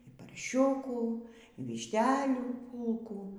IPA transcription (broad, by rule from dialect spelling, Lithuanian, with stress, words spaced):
iː pɐrʲˈʃʲʊkuː iː ʋʲɪʃʲˈtʲæːlʲuː ˈpuːlˠkuː